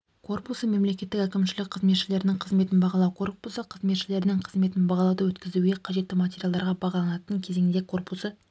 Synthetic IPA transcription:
kʰo̞rpusəme̞mle̞kʲe̞t̪ːɪkækʲɪmʃɪlɪk̚qʰəzme̞t̪ʃɪle̞ɾɪnɪŋqʰəzme̞t̪ɪnbɑʁɑlˠɑwkʰo̞rpusəqʰəzme̞t̪ʃɪle̞ɾɪnɪŋqʰəzme̞t̪ɪnbɑʁɑlˠɑwd̪əwɵt̪kʲɪzuɡʲe̞qʰɑʒe̞t̪ːɪmatʲe̞ɾʲjalˠd̪ɑɾʁɑbɑʁɑlˠɑnɑt̪əŋkʲʰe̞ze̞ŋd̪ekʰo̞rpusə

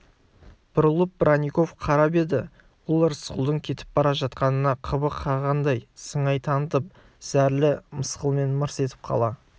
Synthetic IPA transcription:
b̥ʊɾəlˠəp̚bɾʔanʲijko̞fqʰɑɾɑbe̞d̪ɪ | wʊlˠɾəsqʊlˠd̪əɴkʲʰe̞t̪ɪ̥p̚bɑɾɑʒɑt̪qɑnənɑqʰəbəqʰɑʁɑnd̪ɑjsəɴɑjt̪ʰɑnət̪əp̚ | z̥æɾlɪməsqəlˠme̞nməɾse̞t̪ɪ̥p̚qʰɑ̰lˠɑ

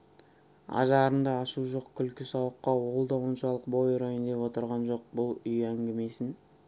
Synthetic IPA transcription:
ɑ̰ʒɑɾənd̪ɑːʃuʒo̞qkʲʰʏlkʲɪsɑwəqːɑwo̞lˠd̪ɑwənʃɑlˠəq̚bo̞jɾojənd̪epwo̞t̪əɾʁɑnʒo̞q̚bʊlˠʏjæŋɡʲeme̞sɪn

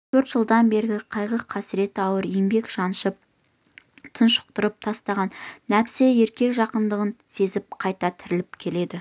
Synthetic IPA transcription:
t̪ʰɵɾt̪ʒ̥əlˠd̪ɑnbe̞ɾɪɡʲɪqʰɑjʁəqʰːɑsɪɾe̞t̪ɑwəɾijmbe̞kʒɑnʃəp̚ | t̪ʰənʃʊ̥q̚t̪əɾəp̚t̪ʰɑst̪ɑʁɑnːæpsee̞ɾkʲe̞kʒɑqənd̪əʁənse̞zɪp̚qʰɑjt̪ɑt̪ʰɪɾɪlɪpkʲʰe̞le̞d̪ɪ

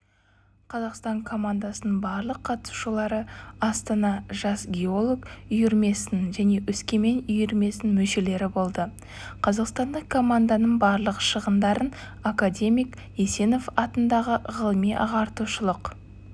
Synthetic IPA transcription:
qʰɑzɑqst̪ɑŋkʰo̞mand̪asənəɴbɑɾlˠəqʰːɑt̪su̥ʃəlˠɑɾəɑst̪ɑnɑʒɑsɡʲeo̞lˠo̞kʏjʏɾme̞sɪnʒæne̞ʔʏskʲeme̞nʏjɪɾme̞sɪnmɵʃe̞le̞ɾɪbo̞lˠd̪ə | qʰɑzɑqst̪ɑnd̪ɑkʰo̞mand̪anəɴbɑɾlˠəqʃəʁənd̪ɑɾən | akadʲe̞mijk | ese̞no̞fɑt̪ənd̪ɑʁəʁəlˠəmijʔɑʁɑɾt̪uʃəlˠəq

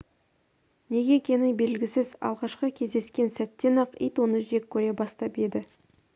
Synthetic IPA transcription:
ne̞ɡʲe̞kʲʰe̞nɪŋbe̞lɡʲɪsɪzɑ̰lˠʁɑʃqəkʲʰe̞zd̪e̞skʲe̞nsæt̪ːe̞nɑqḭjt̪wonəʒe̞kʲʰːɵɾe̞bɑst̪ɑped̪ɪ

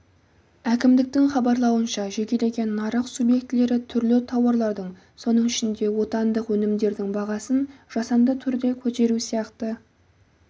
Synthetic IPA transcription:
ækʲɪmd̪ɪk̚t̪ɪŋχɑbɑɾlˠɑwənʃɑʒe̞kʲe̞le̞ɡʲe̞nːɑɾəqsubje̞kt̪ɪle̞ɾɪt̪ʰʏɾlɪt̪ʰɑwɑɾlˠɑɾd̪əɴ | so̞nəɴɪʃɪnd̪e̞wo̞t̪ɑnd̪əqwɵnɪmd̪e̞ɾd̪ɪŋbɑʁɑsənʒ̥ɑsɑnd̪ət̪ʰʏɾd̪e̞kʲʰɵt̪e̞ɾusijɑqt̪ə

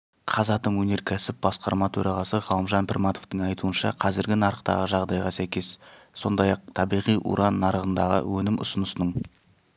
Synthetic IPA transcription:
qʰɑzɑt̪əmwɵne̞ɾkʲʰæsɪp̚bɑsqɑɾmɑt̪ʰɵɾʔɑʁɑsəʁɑlˠəmʒɑnpʰɪrmɑt̪o̞̥ft̪əɴɑjt̪ʰuənʃɑ̰qʰɑzɪɾɡʲɪnɑɾəqt̪ɑ̰ʁəʒɑʁd̪ɑjʁɑsækʲe̞sso̞nd̪ɑjɑq̚t̪ʰɑbijʁijʔṵɾʔɑnːɑɾəʁənd̪ɑʁə̰wʔɵnɪmʊ̰sənəsənəɴ

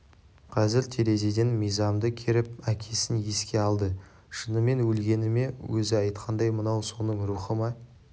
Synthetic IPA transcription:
qʰɑzɪɾt̪ʰeɾe̞ze̞d̪e̞nmijzɑmd̪əkʲʰeɾɪpækʲʰe̞sɪnje̞skʲe̞ɑlˠd̪ə | ʃənəme̞nwɵlɡʲe̞nɪme̞wɵzɪɑjt̪qʰɑnd̪ɑjmənɑwso̞nəŋɾuχəmɑ

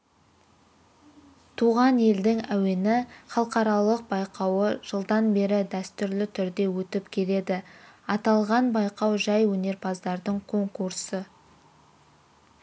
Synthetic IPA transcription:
t̪ʰuʁɑne̞ld̪ɪŋæwe̞nɪχɑlˠqɑɾɑlˠəq̚bɑjqɑwəʒ̥əlˠd̪ɑnbe̞ɾɪd̪æst̪ʏɾlɪt̪ʰʏɾd̪e̞wɵt̪ɪpkʲʰe̞le̞d̪ɪɑt̪ɑlˠʁɑnbɑjqɑwʒɑjwɵne̞ɾpʰɑzd̪ɑɾd̪əɴkʰo̞ŋkuɾsə

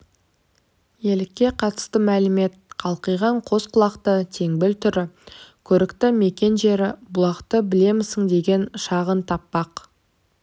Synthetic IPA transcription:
je̞lɪkʲːe̞qʰɑt̪ə̥st̪əmælɪme̞t̪̚qʰɑlˠqəjʁɑɴqʰo̞sqʰʊlˠɑqt̪ət̪ʰe̞ŋbɪlt̪ʰʏɾɪkʲʰɵɾɪkt̪ɪme̞kʲe̞nʒe̞ɾɪbʊlˠɑqt̪əbɪle̞mɪsɪŋd̪e̞ɡʲe̞nʃɑʁənt̪ʰɑpːɑq

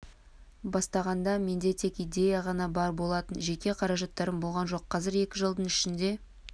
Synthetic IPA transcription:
bɑst̪ɑʁɑnd̪ɑme̞nd̪e̞t̪ʰe̞kijd̪e̞jaʁɑnɑbɑɾbo̞lˠɑt̪ənʒe̞kʲe̞qʰɑɾɑʒɑt̪ːɑɾəmbolˠʁɑnʒo̞qʰːɑzɪɾe̞kʲɪʒəlˠd̪əɴɪʃɪnd̪e̞

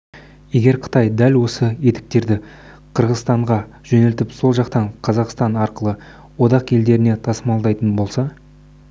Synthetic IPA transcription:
je̞ɡʲe̞ɾqʰə̥t̪ɑjd̪ælwo̞səe̞t̪ɪ̥k̚t̪e̞ɾd̪ɪ | qʰəɾʁəzst̪ɑɴʁɑʒ̥ɵnelt̪ɪpso̞lˠʒɑqt̪ɑɴqʰɑzɑqst̪ɑnɑɾqəlˠə | wo̞d̪ɑqe̞ld̪e̞ɾɪne̞t̪ʰɑsəmɑlˠd̪ɑjt̪ənbo̞lˠsɑ

